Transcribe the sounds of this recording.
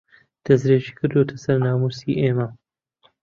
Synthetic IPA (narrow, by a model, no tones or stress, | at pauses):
d̪̥ɐzɾeːʒiːkɨɾd̪ot̪ʰɐsɐɾnaːmuːsiːʔeːmɐ